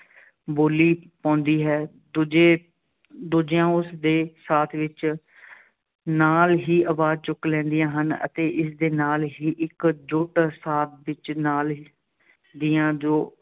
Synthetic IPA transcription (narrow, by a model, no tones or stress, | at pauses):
boːliːpãːnd̪iːɦɛː | d̪ud͡ʒeː | d̪uːd͡ʒɪjãːʊsd̪eːsaːt̪ʰʋɪt͡ʃ | naːlɦiːəʋaːd͡ʒt͡ʃʊklɛ̃ːnd̪ijãːɦənə̰t̪eːʔɪsd̪eːnaːlɦiːʔɪkd͡ʒʊʈsaːt̪̚ʰʋɪt͡ʃnaːl | d̪ijãːd͡ʒoː